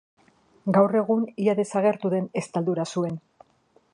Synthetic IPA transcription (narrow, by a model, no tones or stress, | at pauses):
ɡawre̞ɣ̞uniaðe̞saɣe̞ɾt̪uðe̞ne̞st̪ald̪uɾasue̞n